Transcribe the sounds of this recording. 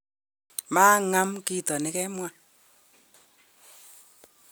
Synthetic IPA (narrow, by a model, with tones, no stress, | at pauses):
maː˦ŋa˦mki˦tɔ˨nɛ˦kɛ˦mwa˦